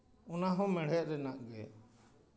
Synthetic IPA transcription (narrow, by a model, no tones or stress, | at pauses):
ɔnaɦɔ̃mɛɽ̤ɛt̪̚ɾɛnaʔɡɛ